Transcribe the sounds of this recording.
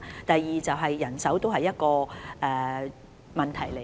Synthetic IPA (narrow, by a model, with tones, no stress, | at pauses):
t̪ɐ˨jːiː˨t͡sɐ˨wɦɐ˨jːɐ˨˩nsɐ˨˥wt̪o˥wɦɐ˨jːɐ˥t̚kɔː˧ʔɛː˨˩ | mɐ˨nt̪ʰɐ˨˩jle˨